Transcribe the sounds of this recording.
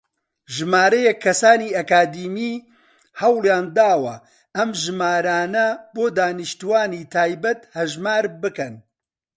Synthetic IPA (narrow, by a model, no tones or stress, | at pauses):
ʒɨmaːɾɐjɛkʰːɐsaːniːɐkaːd̪iːmiː | hɐwlˠjaːnd̪aːwɐ | ʔɐmʒɨmaːɾaːnɐboːd̪aːnɨʃt̪uwaːniːt̪ʰaːjbɐt̪hɐʒmaːɾbɨkɐn